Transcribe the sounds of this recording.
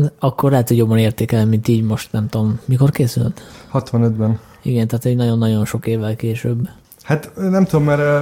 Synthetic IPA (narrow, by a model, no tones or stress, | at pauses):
ɒkːorlɛɦːt̪huɟobːɒneːrt̪eːkɛlnimint̪iːɟmo̞ʃt̪nɛmt̪omːiko̞rkeːsylt̪hɒt̪ʋɒnød̪bɛn | iɡɛnt̪aːt̪oɟnɒɟo̞nːɒɟo̞nʃo̞keːvːɛlkeːʃøːbː | hat̪nɛmt̪ud̪omːɛɾ